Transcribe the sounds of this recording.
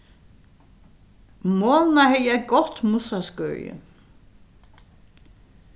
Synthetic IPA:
moːlnahɛjəæɡɔht̪musaskœ̰ːjɪ̰

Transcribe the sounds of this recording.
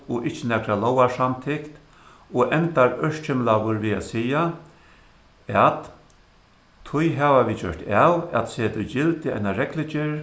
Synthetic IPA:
ɔʔɪht͡ʃːɪnɛkɾalɔːwasamt̪ʰɪkt̪ | ɔʔɛnt̪aɹœʂt͡ʃʰɪmlaʋʊɾʋiːa̰sija | at̪ | t̪ʰːʊjɦaːvaʋiːd͡ʒœ̰ʂt̪aːwa̰t̪seːt̪ʰʊd͡ʒɪlt̪ɪa̰jnaɾɛklɪt͡ʃɪɾ

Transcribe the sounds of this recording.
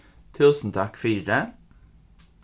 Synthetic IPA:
t̪ʰʉːsn̩t̪ʰɑkfiːɖə

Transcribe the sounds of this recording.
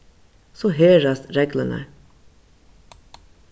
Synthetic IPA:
soɦeːɾɑst̪ɾeːɡlənə̰

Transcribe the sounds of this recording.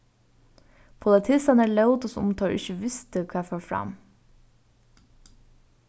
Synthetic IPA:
pʰʊlɛt̪ʰɪsɑnæːɭɑʊt̪ɔsʊ̰mt̪ʰɑːɾʔɪ̰çəʋɪst̪əkʰɑːɛføːfɾɑ̰m

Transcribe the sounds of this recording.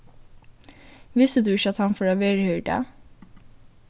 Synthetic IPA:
ʋɪst̪əd̪ʉːɪçɑt̪hɑnfɔɾoːʋeːɾhœːɖḛ

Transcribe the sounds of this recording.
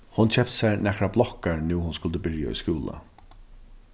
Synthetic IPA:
hʊnt͡ɕʰɛp̚t̪sænɛkɹablˠɔkaɹnuːɦʊnskʊlt̪əbɪɹjaɔ̰jskuːlə̰

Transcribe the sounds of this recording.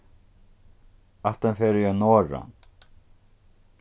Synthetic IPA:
aht̪anfɛːɾɪjanɔːɾa̰n

